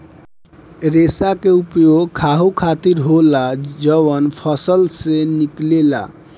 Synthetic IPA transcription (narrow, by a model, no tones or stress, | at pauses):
ɾesakeupjoɡkʰaɦukʰat̪iɾɦolad͡ʒəβənpʰəsəlseniklela̰